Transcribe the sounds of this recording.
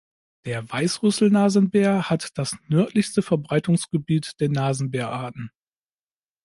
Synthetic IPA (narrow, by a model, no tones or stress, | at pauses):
d̥eːɐvaɪsʁʏsl̩naːzn̩beːɐhatd̥asnœɐtʰlɪçstəfɛɐbʁaɪtʊŋsɡ̥əbiːtd̥eːɐnaːzn̩beːɐʔaɐtn̩